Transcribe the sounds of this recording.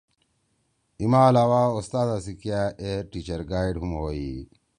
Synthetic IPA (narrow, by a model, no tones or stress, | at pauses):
imaːlawaːust̪aːd̪asikijaeʈit͡ʃɐɾɡaːjɖɦumɦoːi